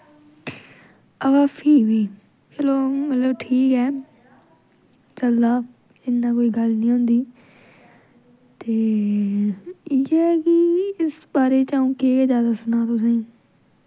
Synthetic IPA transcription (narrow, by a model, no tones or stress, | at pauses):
əbaːpʰiːʋiː | pʰeːloːmət̪ləbʈʰiːkɛː | t͡ʃəld̪aː | ɪnːãːkoːiːɡəlnĩːɦʊ̃ːnd̪iː | t̪eː | ɪɛːkɪɪsbaːɾeːt͡ʃaːũːkeːzjaːd̪aːsənaːt̪ʊsẽː